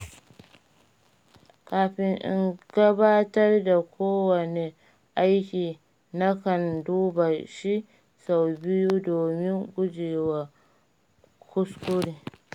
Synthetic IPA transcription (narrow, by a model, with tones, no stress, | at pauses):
kaː˨ɸɪ˦ŋʔɪ̰˦ŋɡ̥ɐ˦baː˦tɐ˦rda˨kʷoː˦wɐ˨ne˨ | ʔa˦jkʲiː˨ | na˦kɐ˨nduː˦ba˨ʃi˦ | sa˨wbɪ˦ju˦doː˨mɪ˦ŋɡʷʊ˦d͡ʒeː˨wa˨ | kʷʊ˦skʷʊ˦ɽiː˦